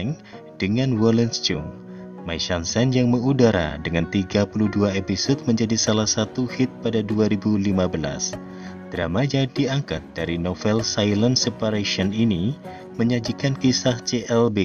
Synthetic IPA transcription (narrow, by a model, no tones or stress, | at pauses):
ŋ | d̥əŋanwɔlɛnst͡ʃuŋ | majʃansɛnjaŋməŋudaɾa̰dəŋant̪iɡapuluduaepisot̪̚məɲd͡ʒadisalahsat̪uhɪt̪̚padaduaɾibulimabəla̰s | d̪̥ɾa̰mad͡ʒadiaŋkat̪̚d̥aɾinofɛlsajlənsepaɾaʃiɔnini | məɲad͡ʒikankisaht͡ʃeʔɛlbe